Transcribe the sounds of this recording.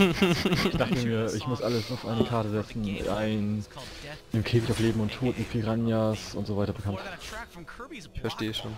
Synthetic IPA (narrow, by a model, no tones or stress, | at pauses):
ɪçd̥aχtəmiːɐʔɪçmʊsʔaləsaʊfʔaɪnəkʰaɐtəzɛt͡sn̩ʔaɪn | ɪmkʰeːfɪçaʊfleːbm̩ʊntʰːoːtmɪt̚pʰiʁanjasʊntz̥oːvaɪtɐbəkʰant | ɪçfɛɐʃteːəʃoːn